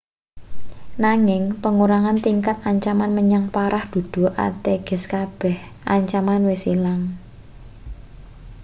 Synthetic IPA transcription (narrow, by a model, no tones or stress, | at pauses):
naŋɪŋpəŋuɾaŋant̪iŋkat̪aɲt͡ʃamanməɲaŋpaɾʔahd̪̥ṳd̪̥ṳʔa̰t̪eɡ̥ɛ̤skab̥ɛh | ʔa̰ɲt͡ʃamanwesilaŋ